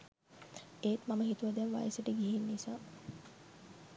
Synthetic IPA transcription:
eːt̪maməɦit̪uʋad̪ɛnʋa̰jəsəʈəɡiɦinːisaː

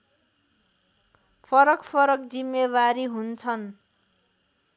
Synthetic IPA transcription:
pʰʌɾʌkpʰʌɾʌkd͡zimːeβaɾiɦunt͡sʰʌn

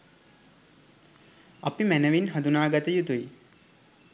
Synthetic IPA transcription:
ɐpimænəʋinɦɐd̪unaːɡət̪əjut̪uji

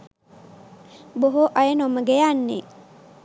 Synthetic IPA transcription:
boɦoʔajənoməɡejanːḛ

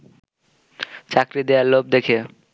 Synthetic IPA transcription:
t͡ɕakɾid̪eaɾlob̚d̪ekʰe

